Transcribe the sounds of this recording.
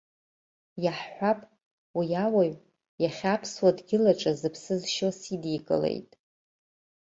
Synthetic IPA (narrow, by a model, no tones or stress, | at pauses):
jaħħʷapʼ | wijawaɥ | jaχʲapʰswadɡʲɪlaʈ͡ʂʼazɨpʰsɨzʃosidikʼɨ̰lḛjtʼ